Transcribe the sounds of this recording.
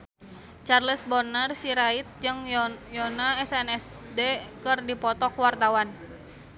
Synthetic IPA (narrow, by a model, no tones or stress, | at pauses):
t͡ʃarləsbɔnərsiɾait̪̚d͡ʒɨŋjɔnaɛsɛnɛsdekɨrdipɔt̪ɔkwart̪awan